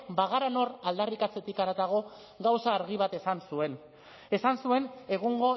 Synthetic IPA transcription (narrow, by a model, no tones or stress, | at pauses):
baɣaɾano̞ɾald̪arikat͡se̞t̪ikaɾat̪aɣ̞o̞ | ɡawsaːɾɣiβ̞at̪e̞sansue̞n | e̞sansue̞ne̞ɣuŋɡo̞